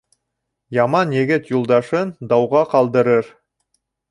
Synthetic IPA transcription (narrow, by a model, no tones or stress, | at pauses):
jɑmɑnjɘ̆ɡɘt̪julˠd̪ɑʃɤnd̪ɑwʁɑqɑlˠd̪ɤ̆ɾɤɾ